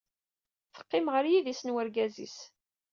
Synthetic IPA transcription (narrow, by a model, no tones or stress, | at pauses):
θə̥qːɪmʁəɾjiðisənwəɾɡæzḭs